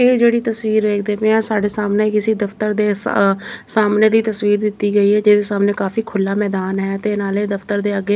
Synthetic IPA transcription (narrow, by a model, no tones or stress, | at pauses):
eːd͡ʒeːɽiːt̪əswiːɾʋeːk̚ʰd̪eːpẽãːsaːɖeːsaːmneːkɪsiːd̪əfʰt̪əɾd̪eː | saːmneːd̪iːt̪əswiːɾd̪ɪt̪ːiːɡəiːɦɛːd͡ʒeːd̪eːsaːmneːkaːfiːkʰʊlːaːmɛːd̪aːnɦɛːt̪eːnaːleːd̪əft̪əɾd̪eːəɡeː